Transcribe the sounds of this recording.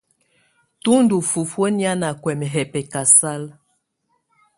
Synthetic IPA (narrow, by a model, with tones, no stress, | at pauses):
tu˦ndu˨fu˨fwo˦nja˦na˨kwɛ˨mɛ˨ɦɛ˨pɛ˨ka˨sa˦l